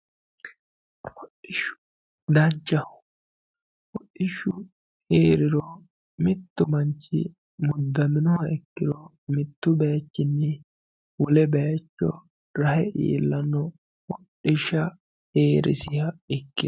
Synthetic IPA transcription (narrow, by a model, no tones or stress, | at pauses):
wɔɗɪʃʊ̥ | d̪ɐnt͡ʃːɐ | wɔɗːɪʃʊ | heːɾɪɾɔ | mɪt̪ːʊmɐnt͡ʃːɪ̰ | mʊd̪ːɐmɪnɔhɐɛkːɪɾɔ | mɪt̪ːʊbɛjɐt͡ʃːɪnːɛ | wɔlɛbɛjɐt͡ʃːɔ̰ | ɾɐhɛʔḭːlːɐnːɔ | wɔɗɪʃɐ | heːɾɪ̰sɪhɐɪkːɪ